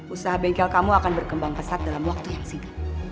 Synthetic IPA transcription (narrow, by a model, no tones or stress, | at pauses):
usaɦabɛŋkɛlkamuakanbərkəmbaŋpəsat̪̚dalamwak̚t̪ujaŋsina